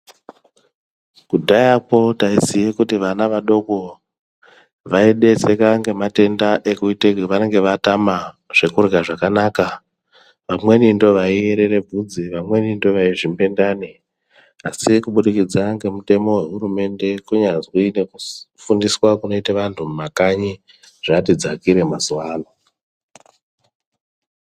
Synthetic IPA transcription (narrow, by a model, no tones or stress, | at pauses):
kudʱajapo̞taisijekutiʋanaʋaɗo̞ko̞ | ʋaiɗe̞t͡se̞kaŋɡe̞mate̞ndaʔe̞kuitekʋane̞ŋɡe̞ʋatama | ʐ̥e̞kurɡaʐakanaka | ʋamwe̞nindo̞ʋaieɾe̞ɾe̞b͡vʱud͡ziʋamwe̞nindo̞ʋaiʐimbe̞ndaːne | asikuɓuɗikid͡zaŋɡe̞mute̞mo̞we̞ɦuɾume̞nde̞kuɲazwiine̞kufundiswakuno̞iteʋantʰumakaɲi | ʐ̥atid͡zakiɾe̞mazuwaːlo